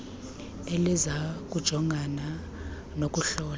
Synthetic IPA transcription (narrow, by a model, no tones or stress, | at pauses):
elizak̬ʼud̥ʒ̥ʱɔŋɡʱana | nok̬ʼuɬɔːl